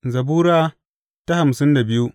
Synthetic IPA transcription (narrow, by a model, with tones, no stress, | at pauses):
zɐ˨buː˦ɾaː˦ | ta˦ha˨msɪ˦nda˨bɪ˦ju˦